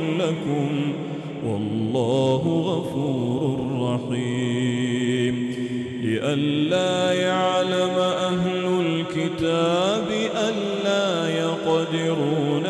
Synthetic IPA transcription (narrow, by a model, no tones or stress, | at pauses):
lakʊm | wɑlˤːɑːɦʊɣafuːɾʊrrˤːɑħi | m | lɪʔanlaːjaʕlamʔaɦlʊlkɪt̪aːbɪʔanːaːjɑqd̪ɪɾuːn